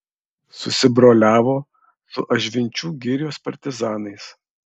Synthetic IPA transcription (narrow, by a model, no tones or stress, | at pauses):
sʊsʲɪbɾoːlʲæːʋoː | sʊʔɐʒʲʋʲɪnʲt͡ʃʲuːɡʲɪɾʲɪjoːspɐɾʲt̪ʲɪzɑːnɐɪs